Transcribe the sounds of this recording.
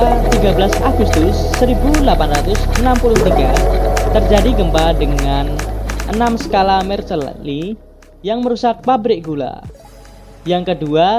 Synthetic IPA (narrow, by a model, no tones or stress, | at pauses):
at̪iɡabəlasaɡust̪ʊsːəɾibulapanrat̪ʊsənampuluht̪iɡat̪ərd͡ʒadiɡəmbadəŋanʔənamsə̥kalamɛrt͡ʃəl̰li | jaŋməɾusak̚pabɾɪk̚ɡula̰ | jaŋkədua